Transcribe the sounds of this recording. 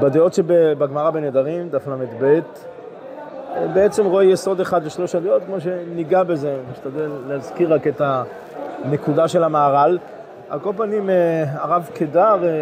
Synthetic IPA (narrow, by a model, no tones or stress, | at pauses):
bad̪eo̞tʃebebaɡmaʁabened̪aʁimd̪aflametbet̪ | beet͡se̞mʁoejeso̞d̪eχad̪leʃlo̞ʃadeo̞t̪kmo̞ʃ̬e̞niɡabe̞zemiʃt̪ad̪elːehazkiʁake̞ta | nekudaʃe̞lamaːʁal | a̰kolpanimeaʁavkedaʁ